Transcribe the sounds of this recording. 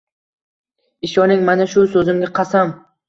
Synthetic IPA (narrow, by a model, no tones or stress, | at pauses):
ɪʃɒnɪŋmanaʃʊsɵzɪmɡʲaqʰɑsam